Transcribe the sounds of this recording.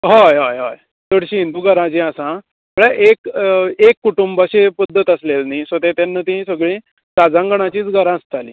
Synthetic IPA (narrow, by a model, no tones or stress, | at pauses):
ɦajɦajɦa̰j | t̪əɽɕiɦind̪uːɡʱəɾãt͡ɕĩasã | m̤əɭeʔekekːuʈumbaɕepəd̪ʱːət̪əslelniːsət̪et̪janːət̪iɦĩsəɡɭĩː | ɾad͡zãŋɡəɽ̃at͡ɕiːt͡sɡʱəɾãəst̪alḭː